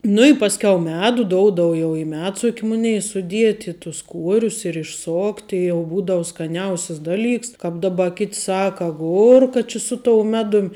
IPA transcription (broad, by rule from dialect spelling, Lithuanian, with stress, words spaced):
ˈnʊ ɪ ˈpɑːsʲˌkʲɛʊ ˈmʲæːdʊ ˈdoːʊdɐw jɛʊ ɪ ˈmʲæːtsʊkʲ ˈmʊnʲɛɪ sʊˈdʲiɛtʲɪ tʊs ˈkuɔrʲʊs ɪr ɪʃˈsoːktʲɪ jɛʊ ˈbuːdɐʋʊ skɐˈnʲɛʊsʲɛs ˈdɑːˌlʲiːks ˈkɑːp ˈdɑːˌbɐ kʲɪtʲ ˈsɑːkɐ ɐˈɡʊrkɐ t͡ʃʲɪ sʊ toːʊ ˈmʲæːdʊm